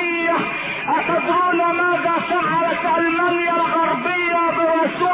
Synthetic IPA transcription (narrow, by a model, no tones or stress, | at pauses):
nja | ʔat̪ad̪uːnamaːðaːsaxɑɾˤɑt̪ʔalmanjalɣɑɾˤbɪjːabɪwasʊ